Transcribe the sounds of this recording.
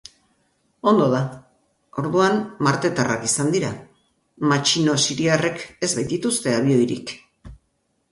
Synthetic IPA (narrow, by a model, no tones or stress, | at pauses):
o̞nd̪o̞ð̞a | o̞ɾðuanmaɾt̪e̞t̪ara̰kisand̪iɾa | mat͡ʃino̞siɾiare̞ke̞zβajt̪it̪ust̪e̞aβio̞jɾḭk